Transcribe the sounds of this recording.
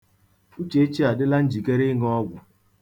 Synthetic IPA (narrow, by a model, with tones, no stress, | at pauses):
u˦t͡ʃe˦e˦t͡ʃi˦a˨dɪ˦la˦n̩˦d͡ʒi˨ke˦ɾɪ˦ŋ˦ɔ˦ɡʷʊ˨